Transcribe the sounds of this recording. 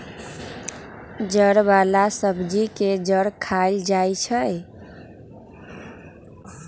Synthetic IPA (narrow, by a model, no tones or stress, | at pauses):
d͡ʒəɾbalasəbd͡ʒiked͡ʒəɾkʰald͡ʒajt͡ʃʰəj